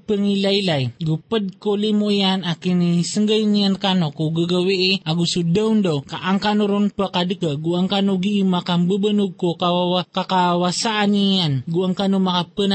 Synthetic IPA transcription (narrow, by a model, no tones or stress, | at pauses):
pəŋilajlajɡupəd̚kolimuʔianakinisəŋɡəjniankanokoɡəɡaweʔeʔaɡusudəwndokaʔaŋkanoɾunpəkadəkəɡuaŋkanuɡiːmakambəbənuɡ̚kokawaakakawasaʔanianɡuaŋkanumakapəna